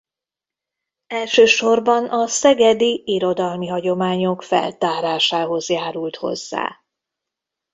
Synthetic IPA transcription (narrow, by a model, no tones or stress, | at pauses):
ɛlʃøːʃo̞rbɒnʔɒsɛɡɛd̪iiɾo̞d̪ɒlmiɦɒɟo̞maːɲo̞kfɛ̰lt̪aːɾaːʃaːɦo̞zjaːɾult̪ho̞̰zːa̰ː